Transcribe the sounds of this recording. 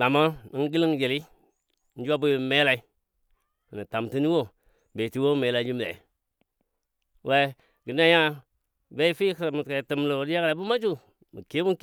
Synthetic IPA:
a˨ma˦i˦n˦ɡi˦li˦ŋ˦d͡ʒe˨li˦ | n̩˦d͡ʒu˦a˦bu˦˨me˦la˦i˦˨ | ni˨ta˨mti˦ni˦wo˦ | be˨ti˦wo˦me˨˦la˨˦d͡ʒi˦m˦da̰˨˦ | we˦ | ɡi˨n˦a˦ja˦ | be˦i˦fi˦kmu˨ka˨ti˨mlo˨di˦ja˦kla˨˦bu˦ma˦t͡ʃu˦ | mṵ˨ke˦mu˦k

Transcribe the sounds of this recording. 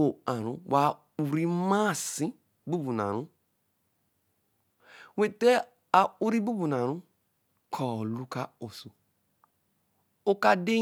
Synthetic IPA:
o˨a˨ɾṵ̃˦wa˨ | u˨ɾi˦ma˦˨sĩ˦ | bu˦bu˨n˨a̰˨ɾũ˦ | we˨te˦ | a˨u˦ɾi˦bu˦bu˨n˨a˨ɾũ˦ | kʰɔ˨lu˦ka˦o˨so˨ | o˦ka˦de˦

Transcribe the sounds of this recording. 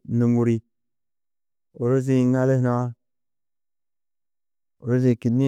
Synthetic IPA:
nu˨ŋɡu˨ɾi˨ | o˨ɾo˦z̬i˦˨ŋa˦le˦hno˦a˦ | o˨ɾo˦ze˦˨ki˨ni˦

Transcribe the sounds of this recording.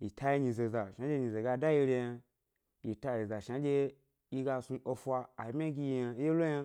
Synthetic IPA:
ji˨tʰa˧˦ji˧˦ɲi˧ze˨za˨ʃa˨˦d͡ʒe˧ɲi˨ze˨ɡa˧da˦ji˧ɾʲi˧ja˧ | ji˨ta˧ji˨za˨ʃa˨˦d͡ʒʲe˧ | ji˧ɡa˧su˧o˧fʷaː˧˨˦mʲ˦a˦ɡʲi˧ji˧ja˧˦e˦lo˦ja˧

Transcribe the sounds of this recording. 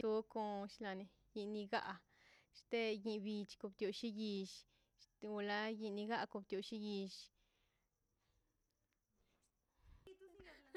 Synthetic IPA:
u˦ko˧ʃla˧ni˧ | ji˧ni˧ɡa̰˦ʔ | ʃt̪e˦ji˧bi˧t͡ʃko˧˨bt̪jo˨ʃi˦ji˧ʃ | u˧la˦ji˧˨ni˧ɡa˦ko˧bt̪jo˨ʃi˦ji˧ʃ

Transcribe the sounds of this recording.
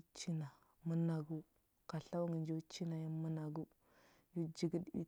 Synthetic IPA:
t͡ʃi˦na˨ | mə˦na˨ɡu˦ | ka˨ɬa˦wŋə˨nd͡ʒo˦t͡ʃi˦na˨ji˦mə˦na˨ɡu˦ | ju˦d͡ʒi˨ɡi˦ɗṵ˦

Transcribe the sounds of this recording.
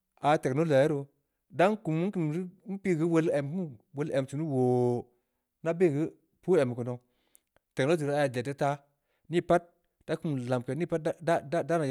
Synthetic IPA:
a˨te˨kno˦la˨je˦ɾo˧ | da˦ŋ˦ku˨mu˦ki˨m˨ɾi˦m̩˦pi˦ɡi˦wo˦le˨m˨˦wo˦lʔe˨m˨tu˨nu˦wo˨ | na˦be˦˨ɣɨ˦ | pu˦e˨m˨ku˨no˨ | te˨no˦zi˨ɾa˨˦ja˨de˨te˦ta˦ | ni˦pa˦t̚ | d̥a˦ku˦mla˨m˨ke˨ni˦pa˦t̚a˦da˦da˦na˨

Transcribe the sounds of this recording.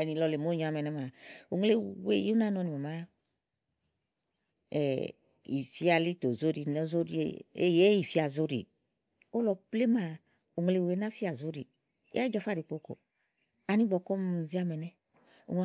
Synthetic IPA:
ɛ˨ni˧lɔ˧le˨mo˦ɲ˨a˨˧mɛ˨nɛ˦ma˨o˨ŋ˦le˧wḛ˦˨ju˦na˦nɔ˧ni˨mɔ˨ma˦ | ɛ˨ | ḭ˨fi˦a˧li˦to˨zo˦ɾi˧nɔ˦zo˦ɾi˦ḛ˨e˦je˦i˨fi˦a˨zo˦ɾḭ˨ | o˦lɔ˧ple˦ma˨ | o˨ŋ˨le˧˨we˨˦na˦fi˦a˨zo˦ɾi˨ | ḛ˦a˦d͡ʒa˧fa˦˨ɾi˨k͡po˧ko̰˨ | a˨˧nĩ˦ɡ͡bɔ˨˧kɔ˦m˨zi˦a˧mɛ˨nɛ˦ | o̰˨ŋ˧˦

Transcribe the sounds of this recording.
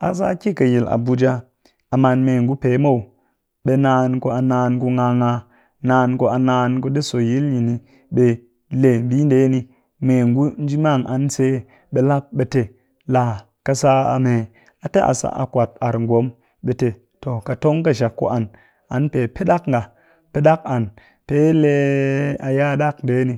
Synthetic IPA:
a˨s̬a˦ki˦ka˨ji˨la̰˨bu˨d͡ʒa˦ | a˨ma˨nme˨ŋɡu˦pe˨˦mo˦u˨ | ɓe˨na˦nko˦a˨naː˧nko˧ŋa˧ŋa˧ | naː˨˦nko˦a˨na˧nko˦de˦so˨ji˦lji˨ni˨ | ɓe˦ | le˨mbi˦nde˨˦ni˦ | me˨ŋɡu˦n˦d͡ʒi˦ma˦˨ŋʔa̰˨nse˦ | ɓe˨la˦p̚ɓe˨te˨ | la˨ | ka˨sa˦a̰˨me˨ | a˨te˦ʔa̰˨sa̰˨ʔa̰˨kʷa˨t̚a˨ɾŋɡʷo˨˦m | ɓe˨te˨ | to˨ka˨to˦ŋka˦ʃa˨kːo̰˨ʔa˨n | a˨˦npe˨pe˦ɗa˦kŋɡa˨ | pe˦ɗa˦k̚a˨n | pe˦le˦a˨ja˦ɗa˦knde˨˦ni˨

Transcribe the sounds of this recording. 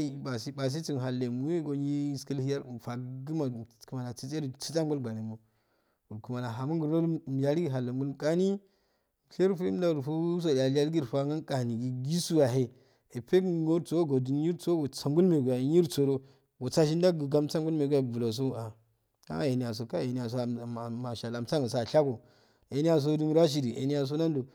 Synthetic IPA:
ba˨si˦ba˨s̬i˦t͡si˦n˨ɦa˨lːe˨mu˦e˦ɡo˨ɲi˦skə˦lhi˦ja˦ɾu˨fa˨ɡi˦ma˨ku˨ma˨la˨t͡si˦t͡se˦ɾi˨t͡si̥˦t͡sa˦ŋɡu˦lɡa˨ɾe˨mo˨ | u˨ɾku˨ma˨la˨ɦa˨mu˦ŋɡu˨ɾno˦m˨ja˨ɾi˦ɡi˦ɦa˨lːa˨ŋɡu˦lkʼa˦ni˦˨ | ɬe˦ɾfu˦da˦u˨ɾfu˦u˦s̬o˨da˨li˦a˦ɾɡi˦ɾfa˦ŋa˦nkʼa˨ni˨ɡi˨ɡi˦su˦wa˨ɦe˨ | e˨pe˦˨ɡo˦ɾt͡so˦o˦ɡo˨du˨nji˦ɾt͡so˦ɡo˨t͡sa˨ŋɡu˦lme˨ɡu˨ja˨ɲi˦ɾt͡so˨do˦ | ɡo˨t͡sa˦ʃ̬i˦n˦da˦ɡi˨ɡa˦mt͡sa˦ŋɡu˦lme˨ɡa˦˨vu˨lo˨s̬o˦a˨ | a̰˦je˨ni˨ja˨s̬o˨ka˦˨je˨ni˦ja˨s̬o˦˨ma˨ʃa˨la˨mt͡sa˦ŋɡa˨s̬a˨ɬa˦ɡo˨ | e˨ni˦ja˨s̬o˦du˦n˦ɾa˦ʃ̬i˨ɾi˨ʔḛ˨ni˦ja˨s̬o˦na˦n˦do˨

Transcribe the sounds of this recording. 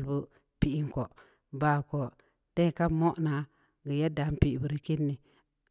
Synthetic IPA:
lbu˦ | pi˦˨ʔi˦ŋ˨ko˨ | ba˨ko˨ | tẽ˦˨ka˦mo˦ʔna˨ | ɡə˨ja˦da˨˦m˦pi˦˨ʔbu˨ɾi˦ki˦nːi˨

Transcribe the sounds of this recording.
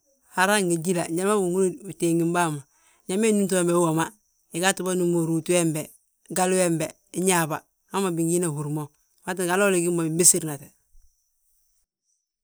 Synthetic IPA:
ha˨ɾa˦ŋɡe˨ɟi˦la˨ɲa˦ma˦bu˨ŋu˦lo˦u˨teː˨ŋi˨mba˦ma˨ | ɲa˦me˦nu˦nt̬u˦e˦mbe˨˦wo˨ma˦ | i˨ɡa˦tu˨ba˦nu˦mo˨ɾu˨tu˦we˦mbe˨ | ɡa˦lu˦e˦mbe˨˦ | ɲaː˨ba˨ | a˦ma˨bi˨ŋɡi˦na˨hu˨ɾmo˨ | ma˦t̬i˦ɡa˨loː˦li˨ɡi˦mo˨bi˨mbi˦si˦ɾna˨te˨

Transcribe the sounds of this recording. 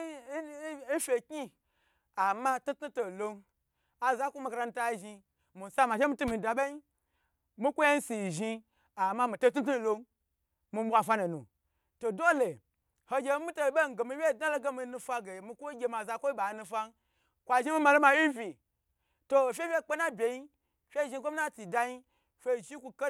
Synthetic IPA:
i˦fʲe˨ki˦ | a˨ma˦tu˦tu˦to˨lo˧n | a˨za˦kʷo˦ma˧ka˧ɾa˧nu˧ta˦ʒi˧ | mi˨sa˦ma˨ʃe˦mi˦tu˦mi˨˧˨da˨ɓa˦i˦ | mi˦kʷo˦je˦n̩˦si˨ʒi˧ | a˨ma˦mi˨to˦t̬u˦t̬u˦˨lo˧n | mi˧m˦wa˧˨fa˦na˨nṵ˨ | to˨do˦le˨ | ho˧ɡʲe˧˦mi˦to˦˨˦ɓe˦ŋ˨ɡe˨mi˧wʲe˦˨da˦lo˦ɡa˦mi˧nu˧fa˦ɡe˨mi˧kʷo˦ɡʲe˧ma˨za˧kʷo˦i˦ɓa˨˦nu˧fa˦n | kʷa˨ʒi˦mi˦ma˧lo˦ma˨˦ji˦vʲi˨ | to˨fʲe˦wʲe˦˨k͡pe˦na˦bʲe˨ji˦ | fʲe˦ʒi˧kʷo˦mi˦na˦ti˨da˧ji˦ | fʲe˧˦˨ʒi˦kʷu˧ka˦

